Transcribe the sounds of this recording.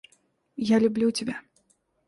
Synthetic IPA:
jalʲublʲut͡sʲabʲa

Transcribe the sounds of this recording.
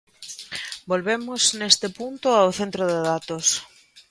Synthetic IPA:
bolβemoznest̪epunt̪ʊawθent̪ɾoðeðat̪os

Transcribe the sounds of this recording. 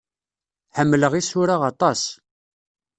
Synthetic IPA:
ħəmːləʁisʊɾaʁɑt̪ˤɑs

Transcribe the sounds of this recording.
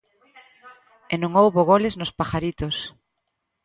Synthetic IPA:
enũŋowβoɣolɪznʊspaxaɾit̪os

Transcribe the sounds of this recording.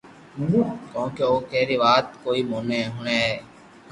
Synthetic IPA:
kõːkeoːkɛːɾiːʋaːt̪koːiːmoːnẽːɦʊːneːɦɛː

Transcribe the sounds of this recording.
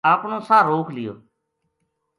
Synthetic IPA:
ãːkɳõːsãːɾoːkʰlɪjo̰ː

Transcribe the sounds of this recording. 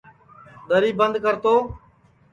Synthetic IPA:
d̪əɾiːbənd̪kəɾt̪oː

